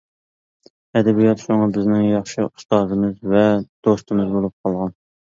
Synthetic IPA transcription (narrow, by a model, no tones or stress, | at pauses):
ɛd̪ɛbijɑt̪ʃuŋɑbɪznɪŋjɑχʃɨu̥st̪ɑːzɨmɨzvɛd̪̥ost̪ɨmɨzbolˠup̚qʰɑlˠʁɑn